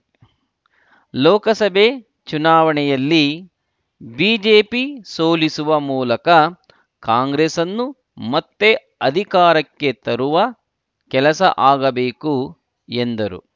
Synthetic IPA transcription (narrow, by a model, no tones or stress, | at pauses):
lɔːkɐsɐbʱe | t͡ʃunaːʋɐɳɛjɐlːi | biːd͡ʒeːpisoːlisuʋɐmuːlɐkɐ | kaːŋɡɾesɐnːu | mɐt̪ːe̞ | ɐd̪ʱikaːɾɐkːet̪ɐɾuʋɐ | kɛlɐsɐ̰ʔaːɡɐbeːku | end̪ɐɾṵ